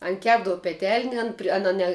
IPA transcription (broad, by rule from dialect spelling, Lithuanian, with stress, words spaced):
ˈɐn ˈkʲæːbdɐʋʊ pʲɛˈtʲɛlʲnʲɛ ˈɐn pʲrʲɪ ˈɑːnɐ nʲɛ